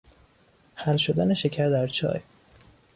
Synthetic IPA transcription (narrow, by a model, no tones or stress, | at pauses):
hælʃo̞d̪æneʃe̞cʰæɾd̪æɾt͡ʃʰɒ̰ːj